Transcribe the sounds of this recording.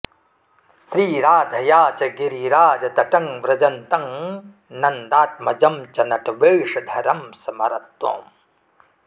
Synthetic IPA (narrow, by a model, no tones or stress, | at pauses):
sɾiːɾaːd̪ʱɐjaːt͡ʃɐɡiɾiɾaːd͡ʒɐt̪ɐʈɐŋʋɾɐd͡ʒɐnt̪ɐŋ | nɐnd̪aːt̪̚mɐd͡ʒɐmt͡ʃɐnɐʈɐʋeːʂɐd̪ʱɐɾɐmsɐmɐɾɐt̪wo̰ːm